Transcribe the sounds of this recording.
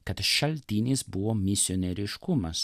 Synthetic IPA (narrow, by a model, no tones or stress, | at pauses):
kɐt̪ʃɐlʲt̪ʲiːnʲiːsbʊʋoːmʲɪsʲɪoːnʲɛɾʲɪʃkʊmɐs